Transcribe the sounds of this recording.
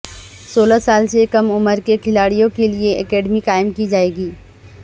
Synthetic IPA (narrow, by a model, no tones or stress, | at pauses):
soːlasaːlsekɐmʊməɾkekʰɪlaːɽijõkelieɛkɛːɖmikaːɪmkid͡ʒaːeːɡiː